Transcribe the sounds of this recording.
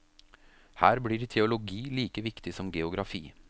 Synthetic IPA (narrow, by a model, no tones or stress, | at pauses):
hæːɾbɽiːɾt̪ʰɛʊlʊɡiːliːkəʋɪkt̪ɪsɔmɡɛʊɡɾɑfiː